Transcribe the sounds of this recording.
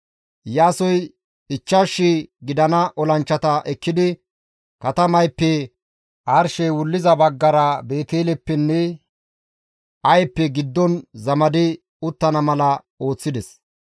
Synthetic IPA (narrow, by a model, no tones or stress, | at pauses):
jaːsɔj | ɪt͡ʃːaʃːɪɡɪd̪ɐnɐʔɔlɐnt͡ʃːɐt̪ɐʔɛkːɪd̪ɪ | kɐt̪ɐmɐjpːɛ | ʔɐɾʃɛwʊlːɪzɐbɐɡːɐɾɐbe̞ːt̪eːlɛpːɛnːɛ | ɐjpːɛɡɪd̪ːɔnzɐmɐd̪ɪ | ʊt̪ːɐnɐmɐlɐ | o̞ːt͡sːɪd̪ɛs